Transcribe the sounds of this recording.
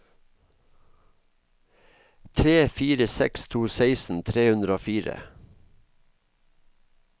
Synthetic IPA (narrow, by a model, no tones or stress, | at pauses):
t̪ʰɾeːfiːɾəsɛ̰kst̪ʰuːseɪsn̩t̪ʰɾeːhʉnd̪ɾəoːfiːɾə̰